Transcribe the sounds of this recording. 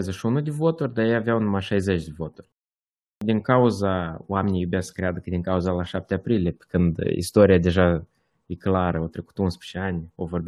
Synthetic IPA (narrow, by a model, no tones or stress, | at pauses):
zeʃunud̪evo̞t̪urʲd̪ajejaveawunumaʃajzet͡ʃd̪evo̞t̪urʲ | d̪ʲiŋkauzao̰amenʲijubʲasə̥kɾead̪əkɨd̪ʲiŋkauzalaʃap̚t̪eapɾileepe̥kɨnd̪ḭst̪o̞ɾijad̪e̞ʒa | jeklaɾəawt̪ɾe̞ku̥t̪unspe̥t͡ʃeanʲovo̞rbʲ